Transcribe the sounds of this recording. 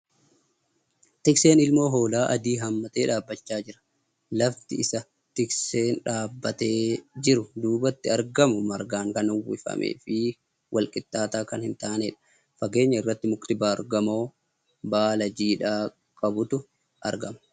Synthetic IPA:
t̪ɪkse̞ːnɪlmo̞ːɦo̞ːlaːʔɐd̪iːɦɐmːɐt̪e̞ːᶑaːbːɐt͡ʃːaːd͡ʒɪɾɐ̥ | lɐft̪ɪɪsɐ | t̪ɪkse̞ːnᶑaːbːɐt̪e̞ːd͡ʒɪɾʊd̪uːbɐt̪ːɪɐɾɡɐmʊmɐɾɡaːŋkɐnʊwːɪfɐ̰mʔḛːfɪ | wʔɐlkʼɪt̪ːaːt̪aːkɐnhɪnt̪aːneːᶑɐ̥ | fɐɡe̞ːɲːɐɪrːɐt̪ːɪmʊkt̪ɪbaːɐɾɡɐmo̞ː | baːlɐd͡ʒiːᶑaː | kʼɐbʊt̪ʊ | ʔɐ̰ɾɡɐmɐ̥

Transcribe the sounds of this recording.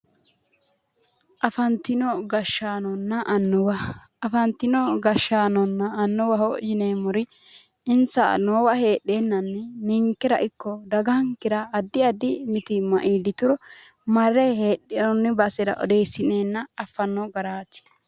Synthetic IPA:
ʔɐfɐnt̪ɪnɔɡɐʃːaːnɔnːɐʔɐnːʊwɐ | ɐfɐnt̪ɪnɔɡɐʃaːnɔnːɐːnːʊwɐɦɔʔd͡ʒɪneːmʊɾɪ | ɪnsɐ̰noːwɐhe̞ːɗːeːnːɐnːɛnɪŋkɪɾɐ̰ʔɪkːɔd̪ɐɡɐŋkɪɾɐːd̪ːɪɐd̪ɪmɪt̪ɪmɐ̰ʔiːd̪ɪt̪ʊɾɔ | mɐrːɛhe̞ːɗɪnɔnːɪbɐsɛɾɐ̰ʔɔ̰d̪eːsːɪneːnːɐɐfːɐnːɔɡɐɾaːt̪ɪ̥

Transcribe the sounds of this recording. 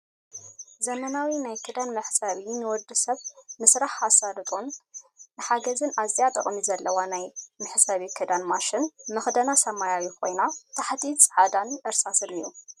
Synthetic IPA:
zɐmɐnawinajkʰɨd̪anmɨħsɐβinɨwɔd̪ːɨsɐβnɨsɾaħasad̪ɨt̪ʼonnɨħaɡɐzɨnazijat̪ʼɐ̰kʼmizɐlːɐwanajmɨħsɐβikʰɨd̪anmaʃɪnmɨxd̪ɐnasɐmajawikʰo̞jnat̪ʰaħt̪ʰit͡sʼʕad̪anʔɨɾsasɨnḭju

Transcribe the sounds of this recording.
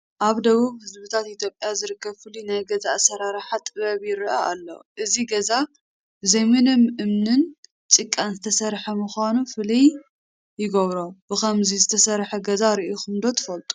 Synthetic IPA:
ʔaβd̪ɐβuβhɨzbɨt̪ʰat̪it̪ʰjo̞pʼjazɨɾɨkːɐβfɨlinajɡɐzaʔsɐɾaɾħat̪ʼɨβɐβjɪɾɨʔaʔa̰lːo̰ʔɨziɡɐza | zemenɨmʔɨmnɨn | t͡sʼɨkʼːanzɨt̪ʰɐsɐɾħɐmɨxʷanufɨlij | jɪɡɐβɾobɨxɐmzizɨt̪ʰɐsɐɾħɐɡɐzaɾiʔoxɨmd̪o̞t̪ʰɨ̥fɐlt̪ʼu̥

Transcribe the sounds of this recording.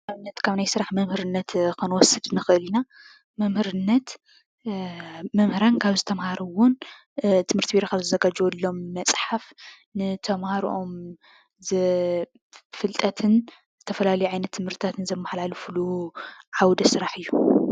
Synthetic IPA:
aβɨnːɐt̪kʰaβnajsɨɾaħmɐmhɨɾɨnːɐt̪kɨnwɔsɨd̪nɨxɨʔɨlina | mɐmhɨɾɨnːɐt̪ | mɐmhɨɾankʰaβzɨt̪ʰɐmhaɾɐwon | t̪ʰɨmɨɾt̪ʰibiɾokazɨzɐɡad͡ʒwolːo̞mːɐt͡sʼħaf | nɨt̪ʰɐmhaɾʔom | zɨ | fɨlt̪ʼɐt̪ʰɨn | zɨt̪ʰɐfɐlalɐjuʕajnɐt̪ʰːɨmhɨɾt̪ʰɨt̪ʰat̪ʰɨnzɐmːaħlalufɨluʕawd̪ɐsɨɾaħɨjːu

